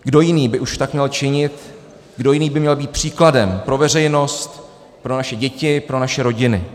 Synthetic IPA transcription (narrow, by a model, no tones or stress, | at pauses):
ɡdo̞jɪniːbɪʔuʃt̪akmɲɛlt͡ʃɪɲɪt̪ | ɡdo̞jɪniːbɪmɲɛlbiːt̪̚pr̝̥iːkladɛmpɾo̞vɛr̝ɛjno̞st̪ | pɾo̞naʃɛɟɛcɪpɾo̞naʃɛɾo̞ɟɪnɪ